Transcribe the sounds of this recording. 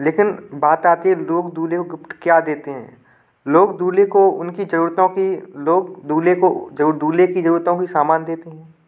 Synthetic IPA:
leːkɪnbaːt̪aːt̪iɦɛ̃loːɡd̪uːlekoɡɪpʈkjad̪eːt̪eɦɛ̰̃ː | loːɡd̪uːlekoʊ̰nkid͡ʒɐɾuːɾt̪õkiloːɡd̪uːlekod͡ʒɐuːd̪uːlekid͡ʒɐɾuːɾt̪õkisaːmaːnd̪eːt̪eɦɛ̃ː

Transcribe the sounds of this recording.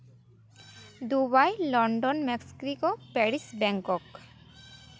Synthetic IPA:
d̪uβajlɔɳɖɔnmɛksi̥kɾikɔpɛɾisbɛŋkɔk

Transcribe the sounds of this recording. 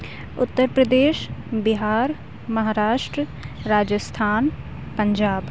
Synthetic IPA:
ʊt̪ːəɾpɾəd̪eːʃbɪɦaːɾ | mɐɦaːɾaːʃʈɾəɾaːd͡ʒəst̪ʰaːn | pəɲd͡ʒaːb

